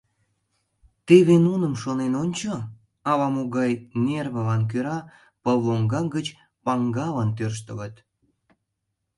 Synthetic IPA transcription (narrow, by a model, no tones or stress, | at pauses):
t̪eβenunəmʃonenonʲt͡ɕo | ɑβɑmoɣɑjnerβə̆lɑnk̬øɾɑ | pəlːoŋɡɑkɡət͡ɕ | pɑŋɡɑlɑnt̪̬ørʃ̬t̪ələt̪